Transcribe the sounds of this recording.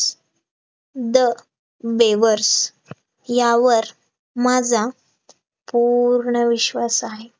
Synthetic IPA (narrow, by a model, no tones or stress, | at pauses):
d̪ə | beʋəɾs | jaʋəɾ | mad͡zʱa | puɾɳəʋiɕʋasaɦe